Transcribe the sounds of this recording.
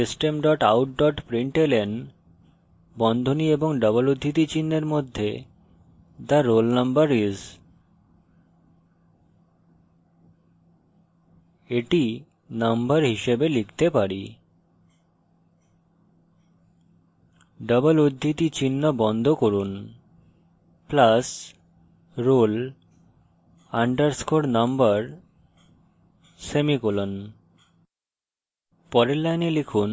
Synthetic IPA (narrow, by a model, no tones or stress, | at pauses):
isʈemɖɔʈa̰wʈ̚ɖɔʈpɾiɳʈelen | bɔnd̪ʱonieboŋɖəbolod̪ʱːit̪it͡ɕinːeɾmod̪ʱːḛ | t̪aɾːolnambəɾiz | eʈi | nambaɾɦiʃebelikʰt̪epaɾi | ɖəbəlod̪ʱːit̪it͡ɕinːobɔnd̪ʱokoɾun | plas | ɾol | aɳɖəɾskoɽnambəɾ | semikulon | pɔɾelːajnelikʰun